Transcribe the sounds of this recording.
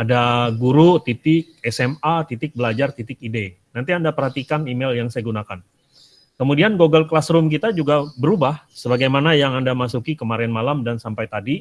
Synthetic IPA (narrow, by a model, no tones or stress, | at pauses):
adaɡuɾut̪it̪ɪk̚ɛsɛmat̪it̪ɪk̚bəlad͡ʒart̪it̪ɪkide | nant̪̬iandapərɦat̪ikanimeljaŋsajaɡunakan | kəmudianɡoɡəlkəlasɾʊmk̬it̪ad͡ʒuɡabəɾubahsəbaɡajmanajaŋandamasukikəmaɾɛnmalamdansampajt̪adi